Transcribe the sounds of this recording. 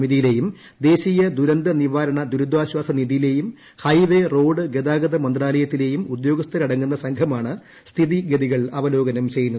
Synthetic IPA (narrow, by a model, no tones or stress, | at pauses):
miðijile̞ːjum | d̪e̞ːɕijɐd̪uɾɐnd̪ɐniʋaːɾɐɳɐd̪uɾud̪ʋaːɕwaːsɐniðijile̞ːjum | hɐjʋero̞ːɖɨɡed̪aːɡɐðɐmɐnd̪raːlɐjɐt̪ːile̞ːjumud̪jo̞ːɡɐst̪ʰɐɾɐɽɐŋːunːɐsɐŋkʰɐmaːɳɨ | st̪ʰiðiɡeðiɣɐɭɐʋɐlo̞ːɡɐnɐmt͡ɕe̞jːunːɐðɨ